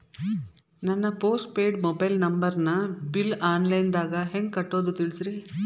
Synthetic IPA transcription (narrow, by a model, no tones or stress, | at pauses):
nɐnːɐpoːsʈpeːɖmobɐjlnɐmbɐɾnɐbilaːnlɐjnd̪aːɡɐɦeŋɡkɐʈːoːd̪ut̪iɭisɾi